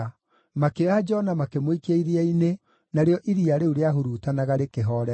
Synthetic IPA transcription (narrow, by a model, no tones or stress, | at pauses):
makead͡ʒɔnamakemwikeaiɾeaine | naɾeɔʔiɾiaɾeuɾeaɦoɾuːtanaɣaɾekeɦɔɾɛ